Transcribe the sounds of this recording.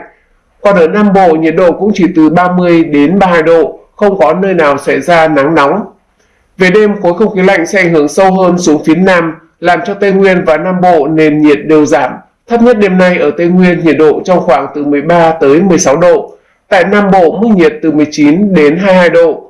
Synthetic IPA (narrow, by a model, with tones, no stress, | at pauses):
kɔ˨˩nʔəː˧˩naː˧mɓo̰˧˨ɲi˨˩ət̚ɗo̰˧˨kʊ̰˧˥ŋ͡mt͡ɕi˧˩t̪ɨ˨˩ɓaː˧mɨ˧əjɗe˨˦nɓaː˧haː˧jɗo̰˧˨xə˧wŋ͡mkɔ˨˦nəː˧jnaː˨˩wsa˧˩jzaː˧na˨˦ŋna˨˦ŋ͡m | ve˨˩ɗe˧mxo˨˦jxə˧wŋ͡mxi˨˦la̰˧˨jŋ̟sɛ̰˧˥ʔŋ̟hɨ˧˩əŋsə˧wɦəː˧nsu˨˦əŋfi˨˦ənaː˧m | laː˨˩mt͡ɕɔ˧t̪e˧jŋwi˧ənvaː˨˩naː˧mɓo̰˧˨ne˧nɲi˨˩ət̚ɗe˨˩əwzaː˧˩m | t̪ʰə˦˥p̚ɲə˦˥t̚ɗe˧mna˧jʔəː˧˩t̪e˧jŋwi˧ənɲḭ˨˩ət̚ɗo̰˧˨t͡ɕɔ˧wŋ͡mxwaː˧˩ŋt̪ɨ˨˩mɨ˨˩əjɓaː˧t̪əː˨˦jmɨ˨˩əjsa˨˦wɗo̰˧˨ | t̪a̰ː˧˨jnaː˧mɓo̰˧˨mɨ˦˥k̚ɲi˨˩ət̚t̪ɨ˨˩mɨ˨˩əjt͡ɕi˨˦nɗe˨˦nɦaː˧jɦaː˧jɗo̰˧˨